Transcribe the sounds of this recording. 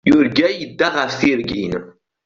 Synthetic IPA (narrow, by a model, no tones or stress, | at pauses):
juɾɡʲæjid̪ːaʁaθiɾɡʲḭn